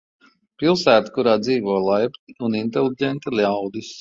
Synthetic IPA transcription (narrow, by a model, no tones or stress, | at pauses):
pilˠsæːt̪ḁkuɾaːd̪ziːʋɔːlˠajpt̪iunint̪elʲˠiɟʲɛnt̪alʲawd̪is